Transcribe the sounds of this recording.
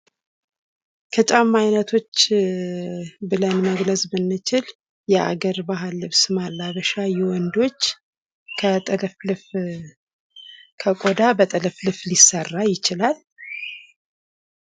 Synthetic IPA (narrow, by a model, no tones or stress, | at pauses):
kʰət͡ʃʼamːajnət̪ʰo̞t͡ʃː | bɨlənməɡləsbɨnːɨt͡ʃɪl | jɛa̰ɡəɾbaɦalːɨβsmalːaβəʃajɛwɔnd̪o̞t͡ʃː | kʰət̪ʼɨlflɨf | kʰəkʼo̞d̪abət̪ʼɨləflɨflisːərːajɪt͡ʃɪlal